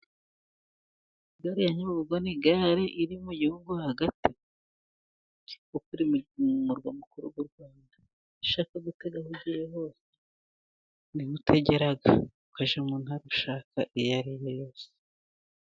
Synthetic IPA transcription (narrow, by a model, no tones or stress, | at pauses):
iɡaɾijaɲuuβuɡoniɡaɾeʔiɾimujuuŋɡuhaɡati | ukuɾimuɾɡwamukuɾuɡuɾɡwaːnda | iʃakoɡute̞ɡahuɟijeɦo̞ːse̥ | nihutʰe̞ɟe̞ɾaɡaukaʒemuːnhaɾuʃaːkaʔijaɾijejo̞ːse̥